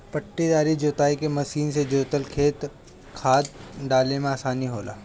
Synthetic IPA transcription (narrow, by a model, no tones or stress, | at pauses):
pɐʈːid̪aːɾid͡ʒoːt̪aːikemɐsiːnsed͡ʒoːt̪əlkʰeːt̪ | kʰaːd̪̚ɖaːlemẽaːsaːniɦoːla̰ː